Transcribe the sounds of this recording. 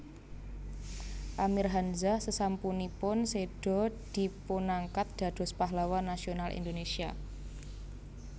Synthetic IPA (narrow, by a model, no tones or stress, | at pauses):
ʔamirɦanzasəsampunipʊnseɖ̥ɔ̤d̪̥i̤punaŋkat̪̚d̪̥ä̤d̪̥ɔ̤spaɦlawanːasionalʔḭnd̪onesia̰